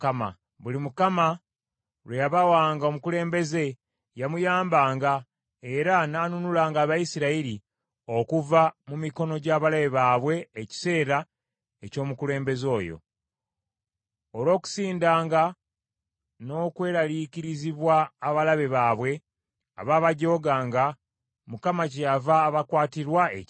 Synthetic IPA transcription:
kama̰ | βulimukama | ɾwe̞jaβawaːŋɡaomukule̞ːmbe̞ze̞ | jamujaːmbaːŋɡa | e̞ɾanaːnunulaːŋɡaːβajisiɾaiɾi | o̞kuvamumiko̞no̞ɟaːβalaβeβaːβwe̞ːci̥se̞ːɾa | eco̞ːmukule̞ːmbe̞zo̞ːjo̰ | olo̞ːku̥siːndaːŋɡa | no̞ːkwe̞ːɾaliciɾiziβwaːβalaβe̞βaːβwe̞ | a̰βaːβaɟo̞ːɡaːŋɡa | mukamac̬ejavaːβakwaːtiɾwae

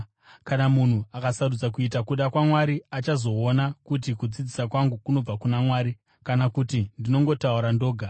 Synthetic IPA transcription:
kanamun̤uakasaɾud͡zak̬uit̬akuɗakwamwaɾiat͡ʃazo̞ːnakut̬ikud͡zid͡zisakwaŋɡukuno̞b͡vakunamwaːɾi | kanakutindino̞ŋɡo̞tauɾando̞ːɡʱa

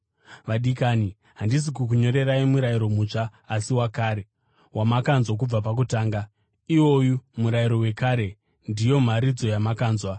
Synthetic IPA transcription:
ʋaɗikaːni | ɦandis̬ikukuɲo̞ɾe̞ɾaimuɾaiɾo̞mut͡ʂaːsiwakaːɾe̞ | wamakanzwak̬ub͡vapak̬utaːŋɡa | iwo̞jumuɾaiɾo̞we̞kaːɾe̞ | ndijo̞m̤aɾid͡zo̞jamakaːnzwa

